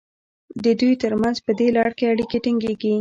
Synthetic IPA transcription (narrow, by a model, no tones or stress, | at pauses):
d̪əd̪ujt̪əɾmanzpəd̪elɑɽkeaɽikeʈɪŋɡeɡi